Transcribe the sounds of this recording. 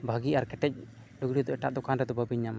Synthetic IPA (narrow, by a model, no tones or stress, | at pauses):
bʱəɡiaɾkɛʈɛc̚ | luɡɽid̪ɔʔɛʈa̰ʔd̪ɔkanɾɛd̪ɔbəbiɲːam